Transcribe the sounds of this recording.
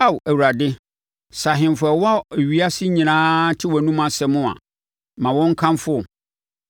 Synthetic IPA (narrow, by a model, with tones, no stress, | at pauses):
a˦˨wæ˨wu˨ɾa˨dɪ˦ | sa˨ɦɪ̃˨m˨fɛ˨wa˦˨ɥi˦a˦sɪ˦ɲĩ˨nãː˦tʰɪ˦wɔ˨nũ˦mã˨sɛ˨mʊ̃˦a̰˨ | mã˨wɔ̃˦ŋ̩˦kʰã˦mfʊ˦ɔ˨